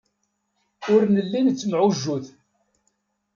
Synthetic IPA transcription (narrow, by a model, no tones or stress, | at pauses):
ʊɾnəlːint͡sːəmʕʊʒːuθ